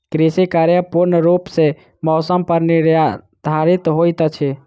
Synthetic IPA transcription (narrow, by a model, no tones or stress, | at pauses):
kɾisikaɾjəpuɾnəɾupsẽ | mɔːsəmpəɾniɾa | d̪ʱaɾit̪ɦojt̪t͡ʃʰɛ